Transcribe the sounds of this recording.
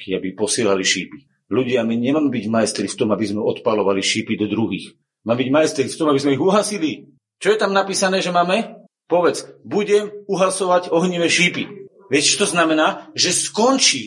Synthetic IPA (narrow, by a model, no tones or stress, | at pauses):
kiabipɔsɪɛːlaliʃiːpi̥ | luɟɪamiɲɛmaːmɛbiɟmajɛst̪ɾift̪ɔmabizmɛɔt̪palɔʋaliʃiːpid̪ɔd̪ɾuɦiːx | maːmɛbiɟmajɛst̪ɾift̪ɔmabizmɛiɣuɦasili | t͡ʃɔjɛt̪amnapiːsanɛːʒɛmaːmɛ | pɔʋɛt͡sbuɟɛmuɦasɔʋaɟɔɦɲiʋɛʃiːpi | ʋɪɛct͡ʃɔt̪ɔznamɛnaːʒɛskɔnt͡ʃiː